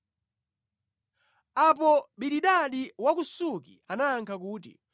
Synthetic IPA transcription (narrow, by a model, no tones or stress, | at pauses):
apɔɓiɗiɗaɗiwak̬usukḭanaːŋkʰakuːtḭ